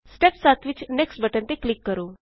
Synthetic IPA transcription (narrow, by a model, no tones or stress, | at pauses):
sʈepsat̪ʰʋɪt͡ʃneksʈbəʈənt̪eklɪkːəɾũː